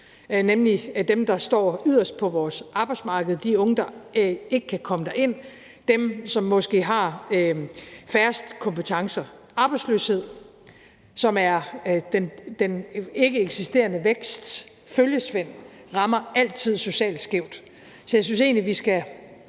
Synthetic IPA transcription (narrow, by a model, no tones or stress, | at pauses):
nemlid̥emd̥ɑ̈sd̥ɒ̰ːyðˠɐsd̥̚pʰɒ̽ʋɒːsʔɑ̈b̥ɑ̈ɪdsmɑ̈ːɡ̥əð̩ˠd̥iɔ̽ŋəd̥ɑ̈e̝ɡ̥əkʰækʰɒ̽məd̥æɐʔe̝n̰ | d̥emsɒ̽mːɒ̽sɡ̥e̝̰ːɦɑ̈ | fæɐsd̥kʰɒ̽mpʰət͡sʰɑ̈ŋsɐʔɑ̈ːb̥ɑɪdsløːshe̝ð̰ˠ | sɒ̽mæɐd̥end̥ene̝ɡ̥əeɡ̥sisd̥e̝̰ːɐnəʋeɡ̥sd̥ | føljəsʋen̰ | ʁɑ̈mɐæl̰t͡sʰið̞̰ˠso̝ɕɛ̰ːld̥sɡ̥eʊ̰d̥ | sɒ̽jas̬ynse̝̰ːnliʋisɡ̥æ